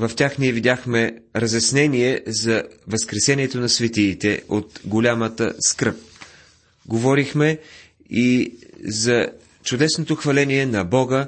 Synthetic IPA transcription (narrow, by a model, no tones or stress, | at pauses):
vɐft̪ʲaxniɛvid̪ʲjaxmɛɾəzjɐsnɛnʲiɛzɐvɐskɾɛsɛniɛt̪onɐsvɛt̪iːt̪ɛot̪ɡolʲamət̪ə̰skɤp̚ | ɡovɔɾixmɛ | izɐ | t͡ʃʊd̪ɛsnot̪oxvɐlɛniɛnɐbɔɡə